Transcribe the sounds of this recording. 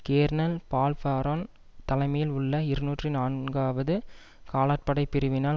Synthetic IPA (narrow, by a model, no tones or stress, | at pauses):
keːɾnɐlpaːlfaːɾoːn | t̪ɐlɐɪmɐjɪlʊɭːɐɪɾɯnuːʈrɯnaːnɡaːʋɐðɯ | kaːlaːʈ̚pɐɽɐɪpːɪɾɯʋɪnaː